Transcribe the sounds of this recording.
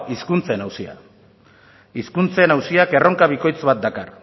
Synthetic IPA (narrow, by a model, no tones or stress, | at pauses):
iskunt͡senawsia̰ | iskunt͡se̞nawsiake̞rʔo̞ŋkaβ̞iko̞jt͡sβat̪̚d̪akar